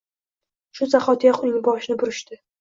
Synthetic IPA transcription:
ʃʊzaχɒt̪jɒqʊjɪŋbɒʃnɪbʊɾɪʃt̪ɪ

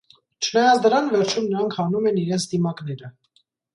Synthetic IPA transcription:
t͡ʃʰənɑjɑt͡sd̪əɾɑnvɛɾt͡ʃʰumnəɾɑŋkʰhɑnumɛniɾɛnt͡sʰd̪imɑknɛɾə

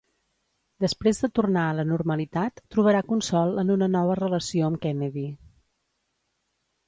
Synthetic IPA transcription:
d̪əspɾezðət̪urnaələnuɾməlit̪at̪ːɾuβəɾakunsɔlˠənunənɔβ̞ərələsioəmkɛnəði

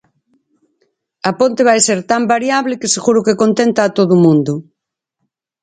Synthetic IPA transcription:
ɐpõnt̪eβ̞ajseɾt̪ambaɾjaβlɪkeseɣuɾʊkekont̪ent̪aːt̪oðumũnd̪ʊ

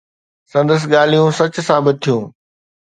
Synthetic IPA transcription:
sɐ̃nd̪əs̬ɠaːl̤ijũsɐt͡ɕʊ̆sãːbɪt̪̚t̪ʰijũː

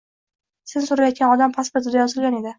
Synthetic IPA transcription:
sɪzsʊɾajɒt̪̚kʲanɒd̪ampʰaspoɾt̪ʰɪd̪ajɒzɨlˠʲane̞d̪ɪ

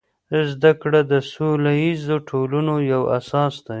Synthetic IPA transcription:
zd̪akɽad̪əsolajizoʈʰolunojawa̰sɑsd̪a

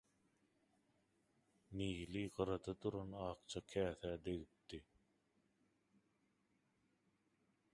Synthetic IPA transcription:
niːliɢɯɾɑd̪ɑd̪uɾɑnɑːq̚t͡ʃʰɑkʰæːθæːd̪eɣip̚t̪i

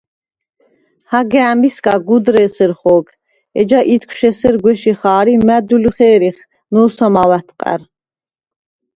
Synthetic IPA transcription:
haɡɛæmbiskaɡud̪ɾɛsɛɾχɔːɡ | ɛd͡ʒaʔit̪kʷʰʃɛsɛɾɡwɛʃiχaːɾimæd̪ulχɛːɾiχ | nɔːsɔmawat̪ʰqʼæ̰ɾ

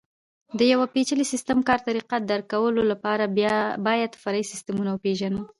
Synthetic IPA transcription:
d̪əjawapet͡ʃəlisɪst̪əmkɑɾt̪aɾiqad̪aɾkawəlolapɑɾabɑjad̪faɾɑisɪst̪əmunawəpeʒanə

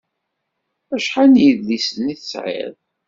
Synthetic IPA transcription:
æʃħanjəðlisənːiθəsʕḛɾ

